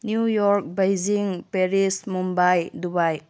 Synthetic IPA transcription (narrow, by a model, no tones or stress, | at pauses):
njujɔɾk̚bajziŋpeɾismumbajdubaj